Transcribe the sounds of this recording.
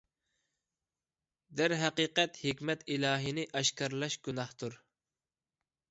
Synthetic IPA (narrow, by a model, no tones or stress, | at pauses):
d̪æɾɦæqiːqɛt̪hikʲmɛt̪ilɑːɦinɪʔɑʃkɑɾlˠɑʃɡʲunɑht̪ʰuɾ